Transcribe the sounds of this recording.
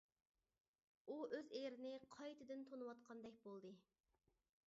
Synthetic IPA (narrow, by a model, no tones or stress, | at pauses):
uøzejɾɪnɪqʰɑjt̪ʰɨd̪ɨnt̪ʰonɨwɑt̪qʰɑnd̪ɛk̚ʲbolˠd̪ɨ